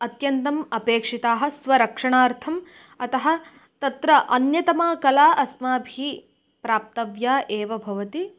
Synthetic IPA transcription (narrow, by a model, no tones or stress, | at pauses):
ɐt̪jɐnt̪ɐmɐpeːkʂit̪aːɦɐ̆sʋɐɾɐkʂɐɳaːɾt̪ʰɐm | ɐt̪ɐɦɐ̆ | t̪ɐt̪ɾɐʔɐnjɐt̪ɐmaːkɐlaːʔɐsmaːbʱiː | pɾaːp̚t̪ɐʋjaːʔeːʋɐbʱɐʋɐt̪i